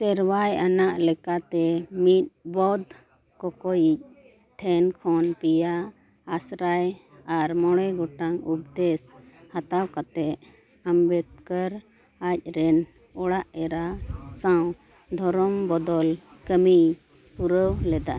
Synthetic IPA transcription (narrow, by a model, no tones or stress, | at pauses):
sɛɾwajanaʔlɛkat̪ɛmit̪̚bɔd̪ | kɔkɔjic̚ | ʈʰɛnkʰɔnpijaː | sɾaj | aɾmɔɽ̃ɛɡɔʈaŋup̚d̪ɛshat̪awkat̪ɛʔ | ambɛt̪̚kəɾ | ac̚ɾɛn | ɔɽaʔɛɾasãw̃ | d̪ʱɔɾɔmbɔd̪ɔlkəmi | puɾəwlɛd̪a